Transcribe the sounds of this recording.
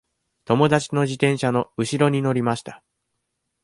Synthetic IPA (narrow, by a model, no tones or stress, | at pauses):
t̪o̞mo̞d̪at͡ɕi̥no̞ʑit̪ẽ̞ɰ̃ɕano̞ɯ̟ɕiɾo̞ɲ̟ino̞ɾʲimaɕi̥t̪ḁ